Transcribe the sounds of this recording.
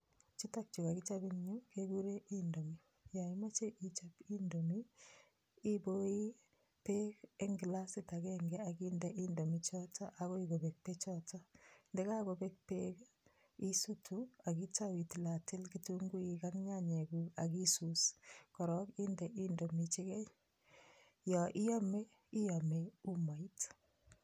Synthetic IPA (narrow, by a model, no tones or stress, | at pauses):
t͡ʃitak̚t͡ʃukakit͡ʃabiŋɲukeɡuɾeʔindomi | jaimat͡ʃeʔit͡ʃapindomiː | boi | pekeŋɡlasitakɛŋɡɛakindɛʔindomit͡ʃɔtaʔaɣoiɡobɛk̚pet͡ʃɔtandɛkakobek̚pek | isutuakitawitlatɪlkituŋɡuikaŋɲaɲeɡuakisuskɔɾɔkindɛʔindomit͡ʃikɛɲ | jɔʔijɔme | ijameumait